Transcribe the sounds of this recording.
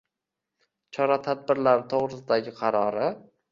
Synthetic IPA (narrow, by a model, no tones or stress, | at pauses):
t͡ʃʰɒɾat̪ʰad̪̚bɪɾlaɾɪt̪ʰoʁɾɪsɪd̪aɡʲɪqʰɑɾɒɾɪ